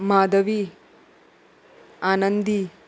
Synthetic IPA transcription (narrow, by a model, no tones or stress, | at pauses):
maːd̪ɐʋi | aːnɐnd̪i